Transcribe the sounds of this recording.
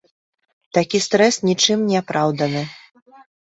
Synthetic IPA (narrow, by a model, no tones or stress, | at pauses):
t̪akʲist̪ɾɛsnʲit͡ʂɨmnʲɛapɾawd̪ɐnɨ